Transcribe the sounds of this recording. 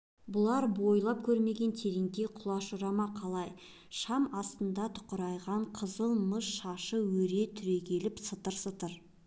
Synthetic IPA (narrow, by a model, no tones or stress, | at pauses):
bʊlˠɑɾbo̞jlˠɑp̚kʲʰɵɾme̞ɡʲe̞nt̪ʰe̞ɾiŋd̪e̞qʰʊlˠɑʃʊɾɑmɑqʰɑlˠɑj | ʃɑmɑst̪ənd̪ɑt̪ʰʊ̥qəɾɑjʁɑɴqʰəzəlˠməʃʃɑʃəwɵɾe̞t̪ʰʏɾe̞kʲʰe̞lɪpsət̪əɾsət̪əɾ